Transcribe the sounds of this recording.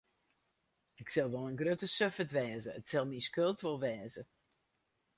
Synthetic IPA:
ɪksɛlˠʋɔlˠənɡrøtəsøfətʋɛːzəətsɛlˠmiskølˠtʋolˠʋɛːzə

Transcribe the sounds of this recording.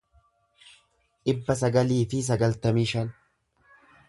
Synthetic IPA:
ʔɪbːɐs̬ɐɡɐliːfɪs̬ɐɡɐlt̪ɐmiːʃɐn

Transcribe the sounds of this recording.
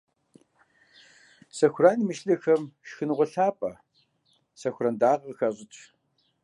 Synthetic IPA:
sɐxʷraːnimɨʃɬɐxɐmʃxɨnʁʷʊɬaːpʼɐ | sɐxʷʊrɐndaːʁxɐɕʼɪt͡ʃʼ

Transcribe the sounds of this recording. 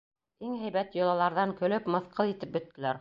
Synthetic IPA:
iŋɦæjβæt̪jŏlˠɑlˠɑɾðɑŋkɵ̆lɵpmɤ̆θqʰɤlˠit̪ɘp̚bɵ̆t̪ːɘ̆læɾ

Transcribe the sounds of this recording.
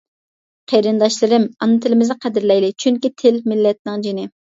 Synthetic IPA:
qʰeɾɪnd̪ɑʃlˠɨɾɪmɑnːɨt̪ʰɪlɪmɪzɨqʰɛd̪ɪɾlɛjlɪt͡ʃʰyŋkʲit̪ʰɪlmɪlːɛt̪̚nɪŋd͡ʒinɪ

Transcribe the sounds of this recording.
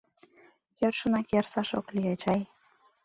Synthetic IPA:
jørʃənɑkersɑʃo̰kliet͡ɕɑj

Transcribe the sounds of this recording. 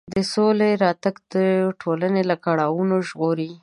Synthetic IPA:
d̪əsoleɾɑt̪aɡd̪əʈʰolanelakaɽɑwunoʒɣoɾi

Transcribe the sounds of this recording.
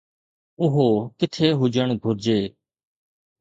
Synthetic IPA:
ʊɦoːkɪt̪ʰeːɦʊd͡ʒəɳɡʱʊɾd͡ʒeː

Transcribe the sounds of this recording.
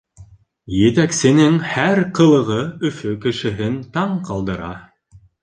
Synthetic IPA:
jɘ̆t̪æksɘ̆nɘŋhæɾqɤ̆lˠɤ̆ʁɤɵ̆fɵkɘ̆ʃɘ̆ɦɘnt̪ɑɴqɑlˠd̪ɤ̆ɾɑ̰

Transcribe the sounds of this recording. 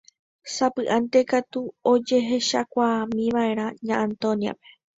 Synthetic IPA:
sapɨʔãnt̪e̞kat̪uo̞d͡ʒe̞ɦe̞ʃakʷaamĩʋae̞ɾ̃ãɲãʔãnt̪õnja̰pe̞̥

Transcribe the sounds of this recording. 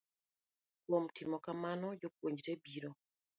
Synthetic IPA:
kwɔmtimɔkamanɔd͡ʒok̚woɲd͡ʒɾebiɾo

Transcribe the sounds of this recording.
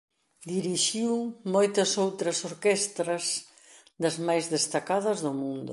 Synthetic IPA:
d̪iɾiʃiwmojt̪ɐsowt̪ɾɐsoɾkɛst̪ɾɐs | d̪ɐzmajzðest̪akaðɐzðʊmũnd̪ʊ

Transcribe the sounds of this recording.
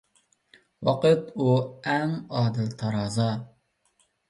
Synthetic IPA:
wɑqɨt̪uɛŋɑːd̪ɨlt̪ʰɑɾɑːzɑ

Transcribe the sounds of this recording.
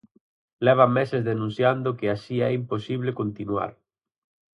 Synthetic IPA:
lɛβ̞amɛsezðenũnθjand̪okeaʃiɛimposiβ̞lekont̪inwa̰ɾ

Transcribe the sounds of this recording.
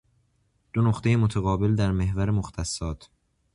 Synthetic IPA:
d̪̥onoxt̪e̞jemot̪ʰæɣɒːbe̞ld̪æɾme̞hvæɾemoxt̪ʰæsːɒːt̪ʰ

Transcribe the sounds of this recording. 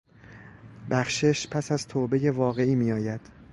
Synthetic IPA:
bæxʃeʃpʰæsæzt̪ʰoːbe̞jevɒːɣe̞iːmiːɒːjæd̪̥

